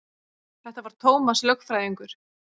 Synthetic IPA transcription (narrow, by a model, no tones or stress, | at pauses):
θɛht̪avaɾ̥t̪ʰoːwmaslœkfɾaːjiŋkʏɾ̥